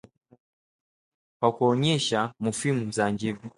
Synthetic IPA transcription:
kwakuɔɲɛʃamufimuzand͡ʒivu

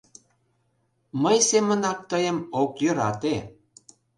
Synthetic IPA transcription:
məjsemə̆nɑk̚t̪əjə̆mokjə̆ɾɑt̪e

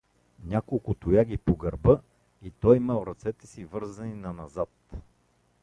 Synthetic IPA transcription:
nʲakolˠkʊt̪ʊjaɡʲipoɡɐɾbɤ | it̪ɔjimɛlˠɾɐt̪sɛt̪ɛ̥sivɤɾzɐninɐnɐzat̪

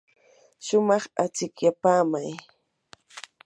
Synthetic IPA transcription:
ʃʊmɑχat͡sɪkjapaːmaj

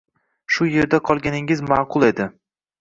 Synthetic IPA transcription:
ʃʊje̞ɾd̪aqʰɒlˠɡʲanɪŋɪzmaqʰʊlˠe̞d̪ɪ

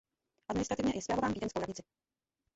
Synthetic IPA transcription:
ʔad̪mɪnɪst̪ɾat̪ɪvɲɛjɛsvʲjɛlovaːmviːdɛnskowɾaɲɪt͡sɪ

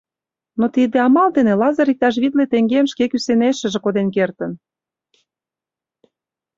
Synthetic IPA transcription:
not̪id̪eɑmɑld̪enelɑzəɾik̚t̪ɑʃ̬βid̪let̪eŋɡemʃkekyseneʃə̆ʒĕkod̪enkert̪ə̆n

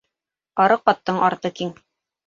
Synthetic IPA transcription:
ɑɾɤqːɑt̪ːɤɴʔɑɾt̪ɤkiŋ

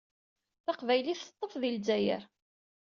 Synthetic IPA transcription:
θɑqvæjliθə̥t̪ˤːəfðilzæjə̰ɾ

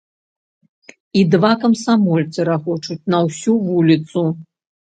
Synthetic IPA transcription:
id̪vakɐmsamɔlʲt̪sɨɾaxɔt͡ʂut͡sʲnɐwsʲuvulʲit̪su

